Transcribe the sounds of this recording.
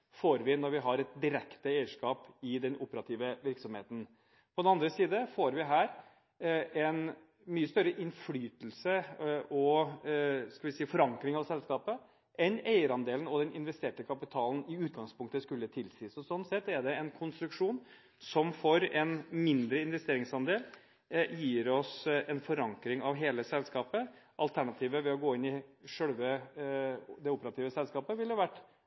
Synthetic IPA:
foːɾʋɪnɔɾʋɪɦɑɾɛt̪̚d̪ɪɾɛkt̪əeɪəʂkɑːpɪd̪ɛnʔʊpəɾɑt̪ʰiːʋəʋɪɾksɔmheːt̪ən̩ | pʰɔd̪ɛɑnd̪ɾəsiːd̪əfoːɾʋɪɦæːɾ | ɛn | myːəst̪œɾəʔɪnflyːt̪lsəʔɔ | skɑʋɪsiːfɔɾɑŋkɾɪŋɑʋsɛlskɑːpə | ʔɛneɪəɾɑnd̪eːlənɔd̪ɛnɪnʋɛst̪eːʈəkʰɑpɪt̪ʰɑːln̩ɪʉːt̪̚ɡɑŋspʰʊŋk̚t̪əskʉlːət̪ʰɪlsiːsɔsɔnːsɛt̪ːɛɖɛɛnkʰʊnst̪ɾʉkʂuːn | sɔmfɔɾɛnmɪnd̪ɾəɪnʋɛst̪eːɾɪŋsɑnd̪eːl | jiːɾɔsɛnfɔɾɑŋkɾɪŋɑʋɦeːləsɛlskɑːpəʔɑlt̪ʰæɳɑt̪ʰiːʋəʋɛɔɡoːɪnɪʂœɽʋə | d̪ɛʊpəɾɑt̪ʰiːʋəsɛlskɑːpəʋɪlhɑʋæʈː

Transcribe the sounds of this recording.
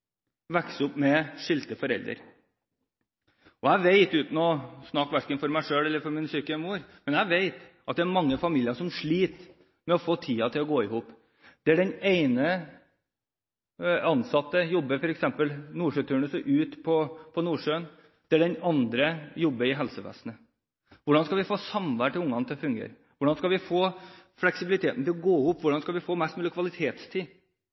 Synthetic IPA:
ʋɛksʊpmɛʂɪlt̪əfɔɾɛ̰ld̪ɾə̰ɾ | ɔæɪʋeɪt̪ʉːt̪nɔsnɑkʋæʂkənfɔɾmæɪʂøːlɛlːəɾfɔɾmɪnsyːkəmuːɾmɛnæɪʋeɪt̪ʔɑt̪̚d̪ɛæɾmɑŋːəfɑmiːlɪəʂɔmʂɭiːt̪ | mɛɔfoːt̪ʰiːɑt̪ʰɪlɔɡoːɪhuːp | d̪̥ɛæɖɛneɪnə | ɑnsɑt̪ːəjɔbːəfɔɾɛksɛmpəlnuːʂøːt̪ʰʉːɳəsəʔʉːt̪pʰɔpʰɔnuːʂøːən | d̪̥ɛæɖɛnɑnd̪ɾəjɔbːəɪɦɛlsəʋɛ̰snə | ʋʊɖɑnskɑlʋɪfoːsɑmʋæʈʰɪʊŋːɑnət̪ʰɛfʉŋɡḛːɾ | ʋʊɖɑnskɑlʋɪfoːflɛksɪbɪlɪt̪ʰeːt̪n̩t̪ɪlɔɡoːɪhuːpːʋʊɖɑnskɑlʋɪfoːmɛst̪mʉlːəkʰʋɑlɪt̪ʰeːt̪st̪ʰiː

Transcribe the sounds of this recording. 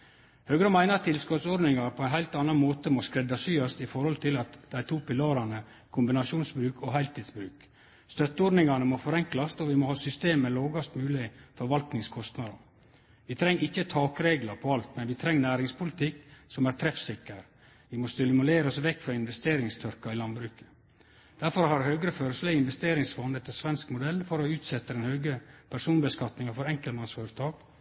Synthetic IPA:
høːɡɾəmæɪnəɾt̪ʰɪlskɔt̪sɔd̪nɪŋɑɾpʰɔæɪnhæɪlt̪ɑnɑnmoːt̪əmɔskɾɛd̪ːɑsyːɑst̪ɪfɔɾhɔlt̪ʰɪlɑt̪d̪æɪt̪ʰuːpɪlɑːɾɑnə | kʰʊmbɪnɑʂuːnsbɾʉːkʰɔɦæɪlt̪iːd̪sbɾʉːk | st̪œt̪ːəɔɖ̪nɪŋɑnəmɔfɔɾɛŋklɑst̪ɔʋɪmɔhɑːsʏst̪eːmːɛloːɡɑst̪mʉːlɪfɔɾʋɑlt̪nɪŋskʰɔst̪nɑd̪ɑ̰ | ʋɪt̪ʰɾɛŋːɪçːət̪ʰɑːkɾeːɡlɑɾpʰɔɑlt̪mɛnʋɪt̪ʰɾɛŋːnæːɾɪŋspʰʊlɪt̪ʰɪkːsɔmæːɾt̪ʰɾɛfsɪkːəɾ | ʋɪmɔst̪ɪlmʊleːɾɔsʋɛkːfɾɑɪnʋɛst̪eːɾɪŋst̪ʰʏɾkɑɪlɑnbɾʉːkə̥ | d̪̥æɾfɔɾhɑɾhœːɡəɾəfœɾəsləɪnʋɛst̪eːɾɪŋsfɔnɛt̪ʰːəsʋɛnskmʊd̪ɛlfɔɾɔʉːt̪sɛt̪ːəd̪ɛnhœːɡəpʰæɾʂuːnbəskɑt̪nɪŋɑfɔɾɛŋkəlmɑnsfɔːɾət̪ʰɑːɡ

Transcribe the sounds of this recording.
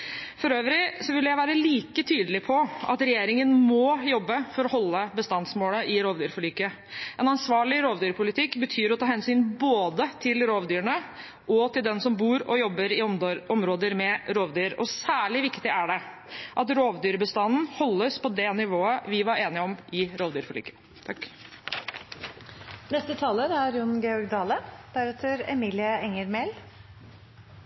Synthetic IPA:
fɔɾøːʋəɾɪsɔʋɪlːəjæɪʋæːɾəliːkət̪ʰyːd̪əlɪpʰɔʔɑt̪ɾɛjeːɾɪŋənmɔjɔbːəfɔɾɔhɔlːəbəst̪ɑnsmoːləʔɪɾoːʋd̪yːɾfɔɭyːkə | ʔɛnɑnsʋɑːɭɪɾoːʋd̪yːɾpʰʊlɪt̪ʰɪkːbət̪ʰyːɾɔt̪ʰɑːhɛnsyːnboːd̪ət̪ʰɪlɾoːʋd̪yːɾəɳə | ʔɔt̪ʰɪld̪ɛnsɔmbuːɾɔjɔbːəɾɪʔɔmɾoːd̪əɾmɛɾoːʋd̪yːɾɔsæːɭɪʋɪkt̪ɪʔæɖɛ | ʔɑt̪ɾoːʋd̪yːɾbəst̪ɑnn̩hɔlːəspʰɔd̪ɛnɪʋoːəʋɪʋɑɾeːnɪɔmʔɪɾoːʋd̪yːɾfɔɭy̰ːɡə̥ | t̪ʰɑkː | nɛst̪ət̪ʰɑːləɾæɾjʊnɡɛɔɾɡd̪ɑːləd̪̥æɾɛt̪ʰøɾɛmiːlɪəɛŋːəɾmɛl

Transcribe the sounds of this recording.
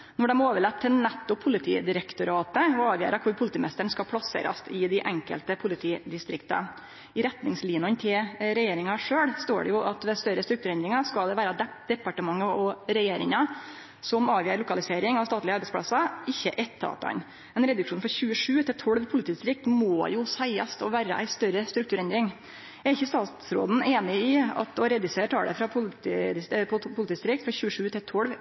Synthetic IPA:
nɔɖɛmoːʋəɭɛt̪ʰːɪlnɛt̪ːʊpʰːʊlɪt̪ʰḭːd̪ɪɾɛkt̪ʊɾɑːt̪əɔɑːʋjæ̰ːɾɑkʰʊɾpʰʊlɪt̪iːmɛst̪əɳskɑlpʰɽɑsḛːɾɑ̰st̪ɪd̪ɪʔɛŋkə̰lt̪əpʰʊlɪt̪ʰiːd̪ɪst̪ɾɪkt̪ɑ̰ | ɪɾɛt̪nɪŋsliːnʊnt̪ʰɪlɾɛjeːɾɪŋɑʂøːɽst̪o̰ːɖɛ̰jʊʔɑt̪ʋɛst̪œɾəst̪ɾʉkt̪ʉːɾɛnd̪ɾɪŋɑskɑld̪ɛʋæːɾɑ | d̪ɛpɑʈəmɑŋːəɔɾɛjeːɾɪŋɑ | sɔmɑːʋjiːɾɭʊkɑlɪseːɾɪŋɑʋst̪ɑːt̪lɪəɑɾbɛɪspɽɑ̰sɑɪçːəʔɛt̪ʰːɑ̰ːp̪ɑ̰n | mɛnɾɛd̪ʉkʂuːnfɾɑçʉːəʂʉːt̪ʰɪt̪ʰɔɽʋpʰʊlɪt̪ʰiːst̪ɾɪk̚t̪moːjʊsæɪɑ̰st̪ɔʋæːɾə̰ʔæ̰ɪst̪œɾəst̪ɾʉkt̪ʉːɾɛnd̪ɾɪŋ | jæɾɪçːəst̪ɑːt̪sɾo̰ːd̪n̩eːnɪɪɑ̰t̪ɔɾɛd̪ʉseːʈʰɑ̰ːɽə̰fɾɑpʰʊ | pʰʊlɪt̪iːst̪ɾɪkt̪fɾɑçʉːəʂʉːt̪ʰɪlt̪ʰɔɽʋ

